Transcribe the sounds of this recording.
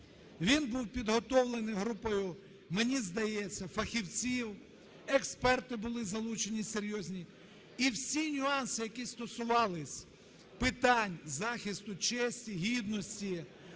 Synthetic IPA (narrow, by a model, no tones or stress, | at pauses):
ʋʲinbuwpʲid̪ɦɔt̪ɔwlˠenɪjɦɾupɔjʊ | menʲizd̪ɐjɛt͡sʲːɐfɐxʲiwt͡sʲiw | ekspɛrt̪ɪbʊlˠɪzɐlˠut͡ʃe̞nʲiseɾʲjɔzʲnʲi | iwsʲinʲʊɑnsɪjɐkʲist̪ɔsʊʋɑlˠɪsʲ | pɪt̪ɑnʲzɑxʲist̪ʊt͡ʃɛsʲtʲiɦʲid̪nɔsʲtʲi